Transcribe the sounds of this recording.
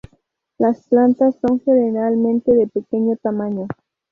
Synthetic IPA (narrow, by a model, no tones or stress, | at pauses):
lasplant̪asːo̞ŋxeneɾalmẽnt̪eðepekeɲot̪amaɲo